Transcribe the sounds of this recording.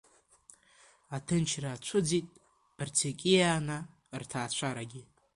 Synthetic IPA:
atʰɨnt͡ʃʰraːt͡ɕʷʰʊd͡zitʼ | b̥rt͡sʰekʲʼijana | rtʰaːt͡ɕʷʰaɾaɡʲɪ

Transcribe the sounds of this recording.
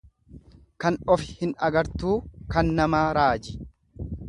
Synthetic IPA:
kɐnɔfɪ̥hɪnɐɡɐɾt̪uːkɐnːɐmaːɾaːd͡ʒɪ̥

